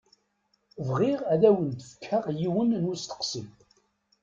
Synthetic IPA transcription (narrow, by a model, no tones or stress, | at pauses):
vʁiʁæðæwənt̪əfə̥kʰːəʁjiwənnust̪ə̥qsḭm